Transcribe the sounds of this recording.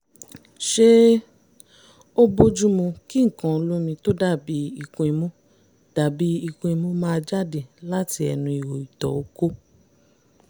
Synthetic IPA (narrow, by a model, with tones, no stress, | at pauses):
ʃe˦ | o˦bo˦d͡ʒu˦mũ˧ki˦ŋ̩˨kã˨o˧lu˦mĩ˧to˦da˦˨bi˨˦i˧kõ˧i˧mũ˦ | d̥a˨bi˦i˧kõ˧i˧mũ˦mãː˦˧d͡ʒa˦˨de˨la˦ti˧ɛ̰˧˨nũ˧i˨wo˨i˨tɔ̰˨o˨˦ko˦